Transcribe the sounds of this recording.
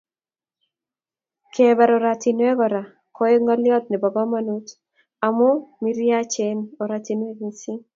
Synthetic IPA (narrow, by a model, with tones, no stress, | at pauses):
kʰɛbɛ˨ɾɔɾat̪inwɛ˦kɔ˨ɾa˨ | kʰɔ˦e˦ŋa˦ljɔ˦t̪̚nɛ˨ba˨ba˦manut̪ | a˨mo˦miɾja˦t͡ʃenoɾat̪inwe˦ɡisi˦